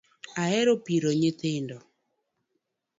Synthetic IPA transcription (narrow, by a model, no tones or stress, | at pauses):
aɛɾopiɾoɲet̪endɔ